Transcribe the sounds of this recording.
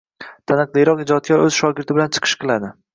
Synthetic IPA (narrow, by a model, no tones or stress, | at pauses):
t̪ʰanɨqlˠijɾɒqɪd͡ʒɒt̪̚kʲaɾɵz̥ʃɒɡʲɪɾt̪ɪbɪlant͡ʃʰɨ̥qʰɨ̥ʃqʰɨlˠad̪ɪ